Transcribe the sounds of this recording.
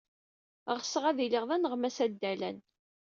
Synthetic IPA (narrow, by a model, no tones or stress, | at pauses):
ʁsəʁæðiliʁðænəʁmæsæd̪ːælæ̰n